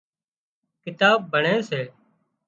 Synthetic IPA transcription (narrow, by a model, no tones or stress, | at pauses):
kɪt̪aːb̚bʱəɳeːseː